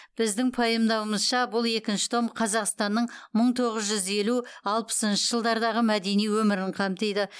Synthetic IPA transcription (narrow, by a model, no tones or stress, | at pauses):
b̥ɪzd̪ɪŋpʰɑjəmd̪ɑwəməzʃɑbʊlˠe̞kʲɪnʃɪ̥t̪ʰo̞mqʰɑzɑqst̪ɑnːəɴməɴt̪ʰo̞ʁəzʒʏze̞luɑlˠpə̥sənʃəʒəlˠd̪ɑɾd̪ɑʁəmæd̪e̞nijwɵmɪɾɪɴqʰɑmt̪ejd̪ɪ